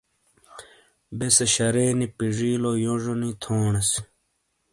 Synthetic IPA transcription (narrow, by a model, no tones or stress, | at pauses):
beseɕɐɾeːnipiʐiːlojoʐonit̪ʰoːɳɐs